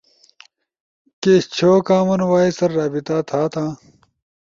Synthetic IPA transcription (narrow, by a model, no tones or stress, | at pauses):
ket͡ɕʰoːkaːmɐnwaːisɐɾːaːbit̪aːt̪ʰaːt̪ʰãː